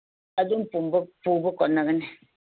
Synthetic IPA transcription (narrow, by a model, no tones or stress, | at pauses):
adum̩pumbpubəkɔnəɣənɛ